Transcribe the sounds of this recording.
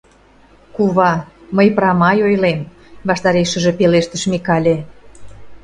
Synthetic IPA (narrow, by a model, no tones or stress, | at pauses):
kuβɑməjpɾɑmɑjojlem | βɑʃt̪ɑɾeʃə̆ʒĕpeleʃt̪əʃmikɑlʲĕ